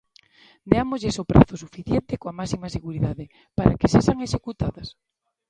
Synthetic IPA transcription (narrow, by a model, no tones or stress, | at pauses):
d̪eamozʎesopɾʔa̰θʊsufiθjent̪ekoamasimaseɣuɾiðaðe | paɾakeseʃaŋeʃekut̪aðɐs